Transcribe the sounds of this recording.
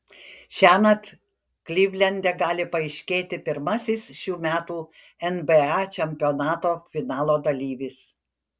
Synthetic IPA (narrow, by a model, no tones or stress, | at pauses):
ʃʲæːnɐt̪ | klʲiːʋʲlʲɛnʲd̪ʲɛɡɑːlʲɪpɐɪʃʲkʲeːt̪ʲɪpʲɪɾmɐsʲɪsʃʲuːmʲæːt̪uː | ɛnbeɑːt͡ʃʲɛmʲpʲɪoːnɑːt̪oːfʲɪnɑːlˠoːd̪ɐlʲiːʋʲɪs